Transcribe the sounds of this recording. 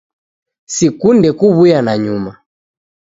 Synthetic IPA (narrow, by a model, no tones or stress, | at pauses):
sikundɛkuβujanaɲuma